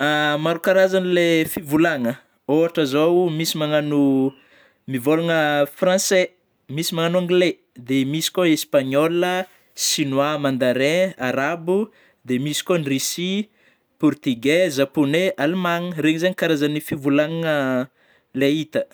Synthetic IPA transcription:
amaɾukaɾazanilefivulaŋə | oaʈ͡ʂəzomisimaŋanu | mivolaŋəfrãse | misimaŋanuãŋɡle | d̪emisi̥kʲoespaɲɔlə | sinwamand̪aɾeaɾabu | d̪emisi̥kʲonirisi | purt̪iɡezaponeʔalmaŋreɲizeɲikaɾazanifivulaŋŋə | leit̪ə

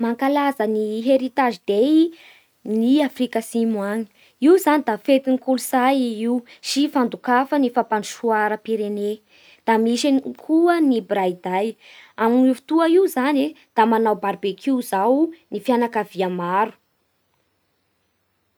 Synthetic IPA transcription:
maŋkalazəniɦeɾit̪aʒid̪e | niafrikəsimwaŋi̥ | iwzanid̪afet̪inikulusajiwsifand̪ukafənifapanuʃuaɾəpiɾene | d̪̥amiʃinkʰuənibrajd̪aj | amnufi̥t̪uəiuzane | d̪̥amanawbaɾbekʰiuzawnifjanakaviamaɾu̥

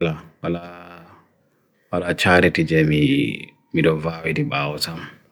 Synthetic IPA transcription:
lawala | walat͡ʃaːɾitid͡ʒɛmi | miɗɔvaːwidiɓaːwɔtam

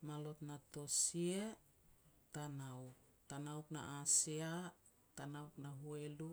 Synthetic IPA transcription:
malot̪natosie | tanawk | tanawkna̰ʔasia | tanawknaɦuelu

